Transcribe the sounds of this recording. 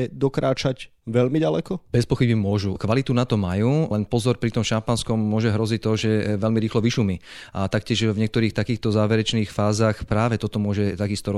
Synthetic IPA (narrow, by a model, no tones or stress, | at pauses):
ɛd̪ɔkɾaːt͡ʃac | ʋɛʎmiɟalɛkɔb̥ɛspɔxibimʊɔʒukʋalit̪unat̪ɔmajuːlɛnpɔzɔɾpɾit̪ɔmʃampanskɔmːʊɔʒɛɦɾɔzict̪ɔʒɛʋɛlmiɾiːxlɔʋiʃumiʔat̪akcɪɛʒvɲɛkt̪ɔɾiːxt̪akiːxt̪ɔzaːʋɛɾɛt͡ʃniːxfaːzaːxpɾaːʋɛt̪ɔt̪ɔmʊɔʒɛt̪aɡist̪ɔɾɔ